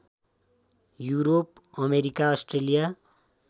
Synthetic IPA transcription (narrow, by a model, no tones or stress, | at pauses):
juɾop̚ | ʌmeɾikaʌsʈrelija